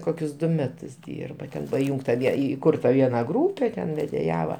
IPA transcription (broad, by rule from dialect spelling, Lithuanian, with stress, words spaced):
ˈkoːkʲʊs ˈdʊ ˈmʲæːtʊs ˈdʲiːrbɐ ˈtʲɛn pɐˈjuːŋktɐ ˈʋʲiɛ iːˈkʊrtɐ ˈʋʲiɛnɐ ˈɡruːpʲɛ tʲɛn ʋʲɛdʲeːˈjæːʋɐ